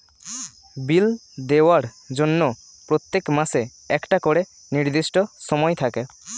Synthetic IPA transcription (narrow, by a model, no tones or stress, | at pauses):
bild̪ewaɾ | d͡ʒonːo | pɾot̪ːekmase | ɛkʈakɔɽe | niɾd̪isʈɔsɔmɔjt̪ʰake